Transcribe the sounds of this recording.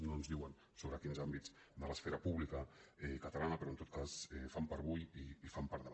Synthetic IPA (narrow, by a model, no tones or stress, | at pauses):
nonzðiwən | soβɾəkinzambit͡s | d̪ələsfɛɾəpuβlikəɛkət̪əlanəpəɾoənt̪ot̪̚kasɛfampəɾβujiːfampaɾðəβ